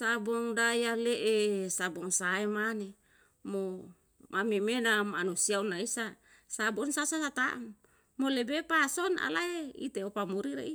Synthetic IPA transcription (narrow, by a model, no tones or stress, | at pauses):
sabɔŋdajaleʔesabɔŋsaemane | mo | mamimenamanusiaunaisa | sabɔnsasasat̪aʔm | molebepasɔna̰laeḭt̪eopamuɾiɾḛi